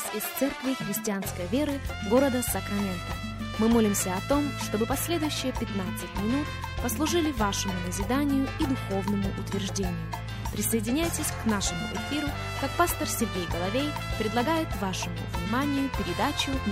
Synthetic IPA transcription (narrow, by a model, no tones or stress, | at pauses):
sɪst̪sɛrkvʲɪxɾʲɪsʲtʲɪanskəjvʲe̞ɾɨ | ɡo̞ɾəd̪əsəkɾɐmʲent̪ə | mɨmo̞lʲɪmsʲəɐt̪o̞mʂt̪o̞bɨpɐsʲlʲe̞d̪ʊjʉɕːɪjəpʲɪt̪nat̪sɨtʲmʲɪnut̪ | pəslˠʊʐɨlʲɪvaʂɨmʊnəzʲɪd̪anʲɪjʊid̪ʊxo̞vnəmʊʔʊt̪vʲɪrʐdʲenʲɪjʊ | pɾʲɪsəjɪdʲɪnʲajtʲɪsʲknaʂɨmʊ̰ʔɪfʲiɾʊ | kakpast̪ərsʲɪrɡʲejɡəlˠɐvʲej | pɾʲɪd̪lˠɐɡajɪt̪vaʂɨmʊ̰vnʲɪmanʲɪjʊpʲɪɾʲɪd̪at͡ɕʊ